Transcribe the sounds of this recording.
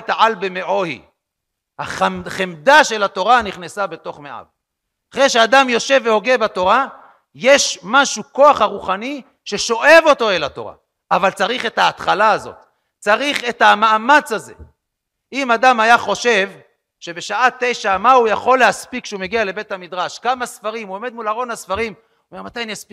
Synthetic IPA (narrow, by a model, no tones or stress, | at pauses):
t̪aʕalbeme̞ʕo̞hḭ | haaχemd̪aʃe̞lat̪o̞ʁaniχnesabe̞t̪o̞χmeʔa̰v | aχʁejʃead̪amjo̞ʃe̞vːeho̞ɡebat̪o̞ʁa | jeʃmaʃuko̞aχaʁuχani | ʃe̞ʃo̞ʔe̞vo̞t̪o̞e̞lat̪o̞̰ʁa̰ | avalt͡saʁiχe̞thaːt̪χalaːzo̞̰t̪ | t͡saʁiχe̞t̪hamaːmat͡shaze̞̰ | imad̪amajaχo̞ʃe̞v | ʃe̞be̞ʃaate̞jʃamaujaχo̞lːeaspikʃeume̞ɡiale̞be̞t̪hamid̪ʁaʃkamasfaʁimuome̞d̪̚mulaʁo̞nasfaʁim | omeʁmat̪ajnjaspi